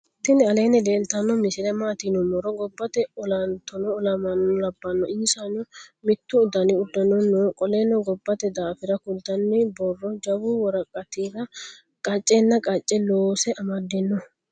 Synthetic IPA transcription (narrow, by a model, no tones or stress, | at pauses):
t̪ːɪnːɛɐleːnːɛd̪eːnt̪ɐnːɔmɪsɪlɛmaːt̪inʊmɔɾɔɡɔbːɐt̪ɛɔlɐnt̪ɔnɔːlɐmɐnɔlɐbːɐnːɔʔɪnsanʊmɪt̪ːʊːd̪ɐnɪʊd̪ːɐnɔnːɔkʼɔleːnːɔɡɔbːɐt̪ɛd̪aːfɪɾɐkʊlt̪ɐnːɪbɔrːɔd͡ʒɐwuwɔɾɐkʼːɐt̪iːɾɐ | kʼɐt͡ʃʼːenːɐkʼɐt͡ʃʼːɛloːsɛʔɐmɐd̪ɛnːɔ